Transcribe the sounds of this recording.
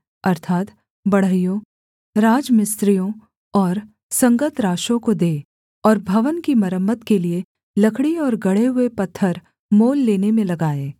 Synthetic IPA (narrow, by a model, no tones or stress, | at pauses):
ɐɾt̪ʰaːt̪ | bɐɽ̤əɦijõ | ɾaːd͡ʒmɪst̪ɾijõ | ɔːɾ | sɐ̃ŋɡət̪ɾaːʃõkod̪eː | ɔːɾbʱɐʋənkimɐɾəmːət̪kelie | lɐkʰɽiɔːɾɡɐɽ̤eɦʊepɐt̪ʰːəɾ | moːlːeːnemẽlɐɡaːeː